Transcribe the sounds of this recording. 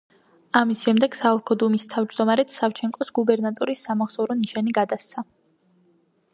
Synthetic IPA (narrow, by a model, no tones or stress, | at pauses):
amisʃɛmd̪ɛɡ̥saɔlˠkʰɔd̪umist̪ʰavd͡ʒd̪ɔmaɾɛt̪saft͡ʃʰɛŋkʼɔsɡubɛɾnat̪ʼɔɾisːamaʁsɔɾɔniʃaniɡad̪ast̪sʰa